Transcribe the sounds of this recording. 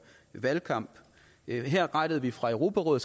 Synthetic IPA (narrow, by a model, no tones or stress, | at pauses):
ʋælkʰɑ̈m̰b̥ | ɦeɐ̰ʁɑ̈ɪɾ̥əð̩ˠʋifʁɑ̈øʊʁo̝ːpʰæʁɔ̽ːð̩ˠs